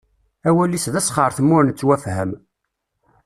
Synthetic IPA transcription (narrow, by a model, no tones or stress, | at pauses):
æwælːisðæsχəɾˤθmːʊɾnt͡sːwæfhəm